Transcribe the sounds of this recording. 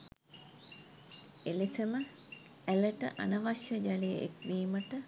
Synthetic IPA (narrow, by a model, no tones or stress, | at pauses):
elesemə | æləʈə̰ʔa̰nɐʋaʃjəd͡ʒalejəʔḛkdiːməʈə